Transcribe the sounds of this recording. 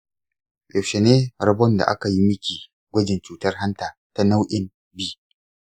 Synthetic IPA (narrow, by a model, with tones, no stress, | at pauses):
ɓɛ˨wʃe˨neː˦ɾɐ˨bɔ˦nda̰˨ʔa̰˦ka˨ji˦mɪ˦kʲiː˨ | ɡʷɐ˦d͡ʒɛ˨nt͡ʃuː˨tɐ˦rɦa˦ntaː˨ta˦na˦wʔɪ˦m | biː˦